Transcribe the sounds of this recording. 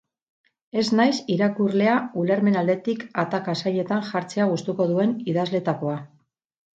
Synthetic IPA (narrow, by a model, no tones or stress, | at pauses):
e̞znajsiɾakurle̞auleɾme̞nald̪e̞t̪ikat̪akasaʎe̞t̪anʝaɾt͡se̞aɣust̪uko̞ðue̞niðazle̞t̪ako̞a